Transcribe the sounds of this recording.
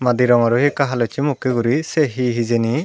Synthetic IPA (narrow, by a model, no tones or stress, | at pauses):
mad̪iɾɔŋaɾuhekaɦalɔjt͡ʃimukeɡuɾiseɦiɦizeni